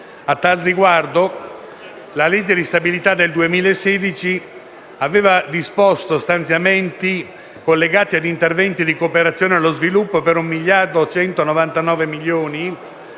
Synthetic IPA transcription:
at̪ːalriɡward̪o | laled͡ʒːed̪ist̪abilit̪ad̪eld̪uemiːlaesːeːd̪it͡ʃi | aveːvad̪ispost̪ost̪ant̪sjament̪i | kolːeɡaːt̪iad̪int̪ervɛnt̪id̪ikopeɾat̪sːjoːnealozvilupːopeɾumːiʎːard̪ot͡ʃɛnt̪onovant̪anɔːvemiljoːni

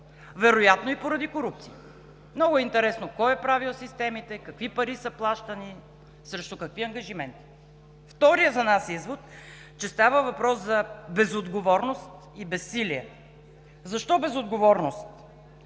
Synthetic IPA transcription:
vɛɾojat̪noipoɾɐd̪ikoɾup̚t̪siə | mnɔɡʊɛint̪ɛɾɛsnokɔɛpɾavilˠsist̪ɛmit̪ɛkɐkvipɐɾisəplˠaʃt̪əni | sɾɛʃt̪ʊkɐkviɐŋɡɐʒimɛnt̪i̥ | ft̪ɔɾijəzɐnasizvot̪ | t͡ʃɛst̪avəvɐpɾɔszɐbɛzod̪ɡovɔɾnost̪ | ibɛsːiliɛ | zɐʃt̪ɔbɛzod̪ɡovɔɾnost̪

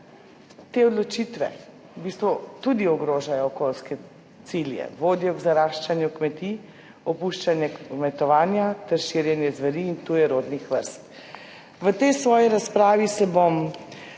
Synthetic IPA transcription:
t̪eɔd̪lɔt͡ʃit̪ʋɛ̰ | bist̪ʋɔt̪ud̪iɔɡɾoːʒajɔːkolskɛ | siljɛ̰ʋoːd̪jɔɡzaɾaːʃt͡ʃanjukmɛt̪i | ɔpuʃt͡ʃanjɛkmɛt̪ɔʋaːnjat̪ɛɾʃiɾjɛnjɛzʋɛɾiːnt̪ujɛɾoːd̪nixʋəɾst̪ | ʋət̪ɛjsʋɔːjiɾaspɾaːʋisɛbom

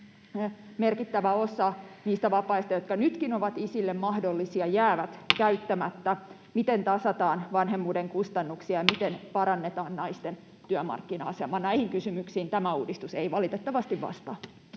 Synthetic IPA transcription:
merkit̪ːæʋæosɑniːst̪æʋɑpɑist̪ɑjot̪̚kɑnyt̪kinoʋɑt̪isilːemmɑhdolːisiɑjæːʋæt̪kæyt̪ːæmæt̪ːæ | mit̪ent̪ɑsɑt̪ɑːnʋɑnɦemːuːdeŋkust̪ɑnːuksiɑjɑmit̪enpɑɾɑnːet̪ɑːnnɑist̪en | t̪yœmɑ̰rkːinɑ̰ɑsemɑnæihiŋkysymyksiːnt̪æmæuːdist̪useiʋɑlit̪et̪ːɑʋɑst̪iʋʋɑ̰st̪ɑ

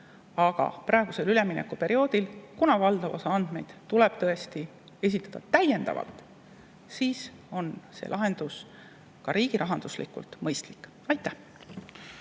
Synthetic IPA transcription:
ɑɡ̥ɑ̰prʔɑˑe̞ɡ̥use̞lyle̞minekːˑupe̞ɾio̞ːd̪̥ilkunɑvɑld̪ɑvosɑɑnd̪̥me̞̰jd̪̥t̪uleb̥̚t̪ɤ̞est̪i | e̞s̬ʲit̪ːˑɑd̪̥ɑt̪æje̞nd̪̥ɑ̰vɑ̰lt̪ˑ | siːs | o̞nsḛlɑɦe̞nd̪̥us | kɑɾiːɡ̥iɾʔɑɦɑnd̪̥uslḭkːˑṵlt̪ˑmɤjst̪likːˑ | ɑjt̪ːˑæh

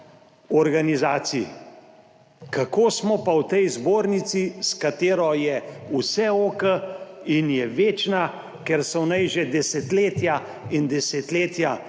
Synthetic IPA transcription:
ɔɾɡanizaːt̪si | kakoːsmɔpawt̪ɛjzboːɾnit̪siskat̪eːɾɔjɛusɛokəinjɛʋeːt͡ʃna | kɛɾsɔwnajʒɛd̪ɛsɛt̪leːt̪ja | ind̪ɛset̪leːt̪ja

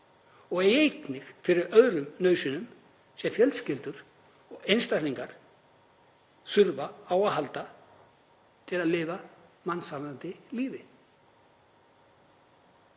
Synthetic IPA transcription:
ɔɣejknɪxfɪɾɪɾœðɾʏmnœːɥsʏnʏm | sɛmfjœlscɪlt̪ʏɾ̥ | ɔɣejnst̪aɾliŋkaɾ̥ | sʏɾvaaːwahɦalt̪a | t̪ʰɪlaðlɪːvamansaant̪ɪliːvɪ

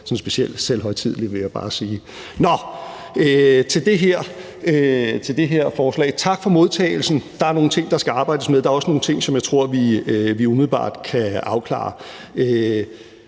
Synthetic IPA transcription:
sɒ̽nsb̥e̝ɕiel̰̥sel̰ɦɒ̽ɪ̰t͡sʰið̰ˠliʋe̝jɑ̈ɪb̥ɑ̈ːsiː | nɒ | øt͡sʰe̝ld̥e̝ɦeɐ̰ | øt͡sʰe̝ld̥e̝ɦeɐ̰fɒːslɛ̰ːɪt͡sʰɑ̈ɡ̥fɒ̽mo̝ð̞ˠt͡sʰɛ̰ːɪl̩sn̩d̥ɑ̈æɐno̝ːn̩t͡sʰe̝ŋ̰d̥ɑ̈sɡ̥æɑ̈ːb̥ɑ̈ɪdəsmeð̞ˠd̥ɑ̈ɐɒ̽səno̝ːn̩t͡sʰe̝ŋ̰sɒ̽mjɑ̈ɪt͡sʰʁo̝ɐ̰ʋiʋiumiðl̩ˠb̥ɑ̰̈ːd̥kʰæɑ̈ʊkʰlɑ̰̈ː | ø

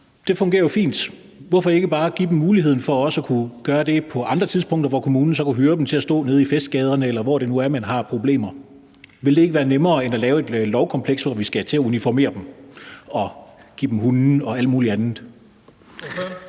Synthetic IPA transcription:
d̥e̝fɔ̽ŋɡ̥e̝ːɐjofḭːnd̥ | ʋɒfɒ̥̽e̝ɡ̥əb̥ɑ̈ːɡ̥id̥em̩ːuːliɦe̝ð̰ˠn̩fɒ̽ɒ̽sɒkʰuɡ̥ɶːɐd̥e̝pʰɒ̽ʔɑ̈nd̥ʁɐt͡sʰiðˠspʰɔ̽ŋ̰d̥ɐʋɒkʰo̝muːnn̩sɒ̽kʰæɦøːɐd̥m̩t͡sʰe̝læsd̥ɔ̰̽ːne̝ð̞̩ˠifesd̥̚ɡ̥ɛːð̞ˠɐnəelɐʋɒ̰ɾ̥e̝nuæɐmænɦɑ̈pʰʁo̝b̥le̝̰ːmɐ | ʋe̝ld̥e̝e̝ɡəʋæːɐnemɐːenælɛːʊe̝d̥lɒʊkʰɒ̽mpʰleɡ̥sʋɒʋisɡ̥æt͡sʰe̝æunifɒme̝̰ːɐd̥em̩ | ɒ̽ɡ̥ḭːd̥em̩ɦun̩ɒ̽æl̰d̥muːliænð̩ˠ

